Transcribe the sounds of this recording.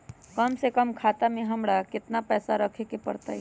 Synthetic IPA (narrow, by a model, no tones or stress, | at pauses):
kɐmsekəmkʰaːt̪amẽɦɐmɽakɪt̪napɛːsaɾɐkʰekepɐ̰ɾt̪a̰ɛ